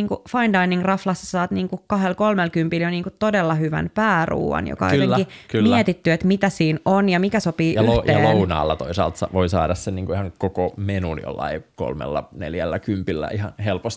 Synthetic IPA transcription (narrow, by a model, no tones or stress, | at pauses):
niːŋkufɑindɑiniŋrɑflɑsːɑ̥sɑːt̪niːŋkukɑhelkolmelkympiljoniːŋkut̪odelːɑhyʋæ̰npæːrṵːʋɑ̰njo̰kɑo̰jt̪eŋkikmiet̪it̪ːyet̪mit̪æsiːnonjɑmikæsopiːʔjɑlyj̪eɑːlːounɑ̰ːlːɑt̪oisɑ̰ːlt̪sɑʋoisɑ̰ːdɑssenniːŋkuihɑŋkokomenunjo̰lːɑ̰iko̰lmḛlːɑneljælːækympilːæ̰ihɑnhelpost̪